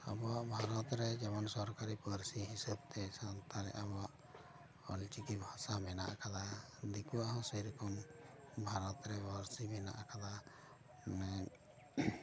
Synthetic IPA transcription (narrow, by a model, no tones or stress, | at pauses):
a̰bɔwaʔbʱaɾɔt̪ɾɛd͡ʒɛmɔnsɔɾkaɾipəɾsiɦisəb̚t̪ɛsant̪ʰaɾɛ̰ʔabɔwaʔ | ɔ̰lt͡ʃikibʱasamɛna̰ʔakala | d̪ikuaɦɔ̃səjɾɔkɔm | bʱaɾɔt̪ɾɛbɔɾsimɛna̰ʔakala | nɛ